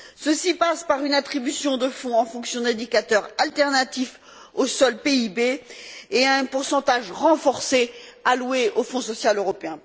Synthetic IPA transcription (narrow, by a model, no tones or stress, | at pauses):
səsipaspaʁynat̪χibysjɔ̃d̪əfɔ̃ɑ̃fɔ̃ksjɔ̃d̪ɛ̃d̪ikat̪œʁalt̪ɛʁnat̪if | osɔlpeibeː | ɛ̃puʁsɑ̃t̪aʒʁɑ̃fɔʁsealweʔofɔ̃sɔsjaløʁɔpeɛ̃